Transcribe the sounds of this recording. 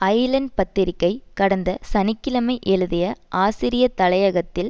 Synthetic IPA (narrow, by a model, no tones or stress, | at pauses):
ɐɪlɐnpɐt̪ːɪɾɪkːɐɪkɐɽɐnd̪ɐsɐnɪkːɪlɐmɐɪʔɛɻɯðɪjɐʔaːsɪɾɪjɐt̪ːɐlɐjɐɣɐt̪ːɪl